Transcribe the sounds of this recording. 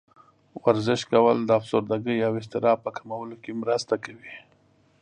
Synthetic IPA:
waɾzɪʃkawəld̪əafz̥oɾd̪aɡəjɑwɪst̪ɪɾɑpəkamawəlokemɾəst̪akawi

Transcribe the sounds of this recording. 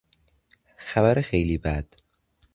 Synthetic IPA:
xæbæɾexejliːbæd̪̥

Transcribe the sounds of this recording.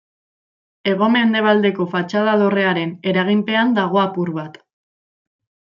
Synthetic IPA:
e̞ɣ̞o̞me̞nd̪e̞β̞ald̪e̞ko̞fat͡ʃað̞aðo̞re̞aɾe̞ne̞ɾaɣ̞impe̞and̪aɣ̞o̞apuɾβat̪

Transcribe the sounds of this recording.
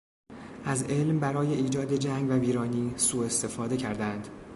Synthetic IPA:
ʔæze̞lmbæɾɒːje̞iːd͡ʒɒːd̪e̞d͡ʒæŋɡvæviːɾɒːniːsuːe̞st̪e̞fɒːd̪e̞cʰæɾd̪ænd̪

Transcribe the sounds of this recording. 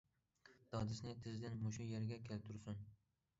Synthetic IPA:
d̪̥ɒd̪ɪsnɪt̪ʰɪzd̪ɪnmʊʃʊjeɾɡʲakʲʰelt̪ʰʊɾsʊn

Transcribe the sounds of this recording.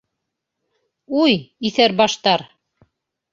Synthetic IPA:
ujiθæɾbɑʃt̪ɑɾ

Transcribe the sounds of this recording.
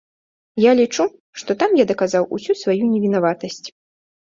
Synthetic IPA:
jalʲit͡ʂu | ʂt̪ɔt̪amjad̪ɐkazawʔṵsʲusvajunʲɛvʲinavat̪ɐsʲt͡sʲ

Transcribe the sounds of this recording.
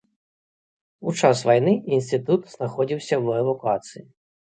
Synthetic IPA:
ut͡ʂasvajnɨinsʲt̪ɨt̪ut̪z̥naxɔd͡zʲiwsʲɐwɛd̪ukat̪sɨji

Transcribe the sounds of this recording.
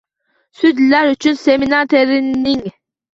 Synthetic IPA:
syd̪læɾyt͡ʃʰynseminat̪ʰeɾiniŋ

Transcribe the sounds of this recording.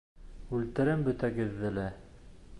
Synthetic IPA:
ʉlt̪ɘ̆ɾɘmbɵ̆t̪æɡɘ̆ðːɘlæ

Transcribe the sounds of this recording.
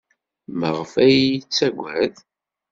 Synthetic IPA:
məʁəfæjjit͡sːæɡʷæð

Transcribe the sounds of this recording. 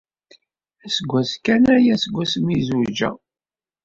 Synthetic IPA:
æsɡʷːæskænæjæsəɡʷːæsmizud͡ʒæ̰

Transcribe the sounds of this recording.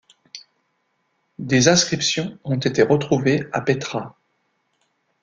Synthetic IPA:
d̪ezɛ̃skχipsjɔ̃ɔ̃t̪et̪eʁət̪χuvea̰pet̪χa

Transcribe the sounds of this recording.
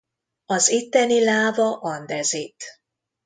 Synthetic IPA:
ɒzit̪ːɛnilaːvɒʔɒnd̪ɛzit̪

